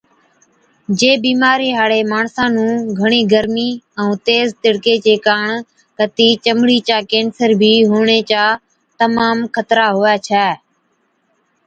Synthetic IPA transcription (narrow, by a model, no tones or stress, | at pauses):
d͡ʒeːbiːmaːɾeːɦaːɽeːmaːɳsãːnũːɡʱəɳiːɡəɾmiːə̃ːt̪eːzt̪ɪɽkeːt͡ʃeːkaːɳ | kət̪iːt͡ʃəmɽiːt͡ʃaːkeːnsəɾbʱiːɦuːɳeːt͡ʃaː | t̪əmaːmkʰət̪ɾaːɦoːjaːt͡ʃʰɛː